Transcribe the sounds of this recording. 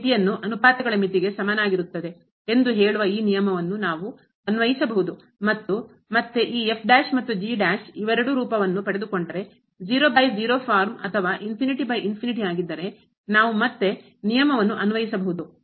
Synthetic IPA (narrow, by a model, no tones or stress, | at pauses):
t̪ijɐnːuʔɐnupaːt̪ɐɡɐɭɐmit̪iɡe̞sɐmaːnaːɡiɾut̪ːɐd̪e̞ | e̞nd̪uɦe̞ːɭuʋɐiːnijɐmɐʋɐnːunaːʋu | ɐnuʋɐjisɐbɐɦud̪u | mɐt̪ːu | mɐt̪ːeʔiːe̞pʰɖaːʃmɐt̪ːud͡ʒiːɖaːʃiʋɐɾɐɽuɾuːpɐʋɐnːupɐɽe̞d̪uko̞ɳɖɐɾe̞ | d͡ʒiːɾoːbɐjd͡ʒiːɾoːpʰaːɾmɐ̰t̪ʰɐʋaːʔinpʰiniʈibɐjinpʰiniʈiaːɡid̪ːɐɾe̞ | naːʋumɐt̪ːe̞ | nijɐmɐʋɐnːuʔɐnuʋɐjisɐbɐɦud̪u